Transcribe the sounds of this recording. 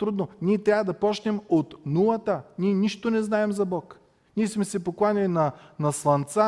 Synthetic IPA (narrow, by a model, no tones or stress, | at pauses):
t̪ɾud̪noniɛt̪ɾʲavɐd̪ɐpɔt͡ʃnɛmot̪nulˠɐt̪əniɛniʃt̪onɛznaɛmzɐbɔk | niɛsmɛsɛpoklˠanʲilinɐnɐslˠɐnt̪sa